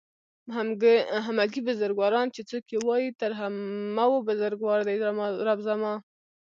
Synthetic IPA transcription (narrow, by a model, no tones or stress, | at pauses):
haɦamaɡibʊzaɾɡwɑɾɑnt͡ʃet͡sokewɑjit̪aɾɦamawobʊzaɾɡwɑɾd̪ajmɾabzamɑ